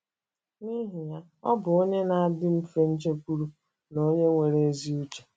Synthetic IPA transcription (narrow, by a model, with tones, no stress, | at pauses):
ni˦ɦi˨ja˦ | ɔ̰˦bʊ˨o˦ɲe˦na˨a˦˨dɪ˦m̩˦fe˦n̩˦t͡ʃe˦kʷu˦ɾu˦ | no˦ɲe˦ŋʷe˨ɾe˨˦zi˦u˦t͡ʃe̥˨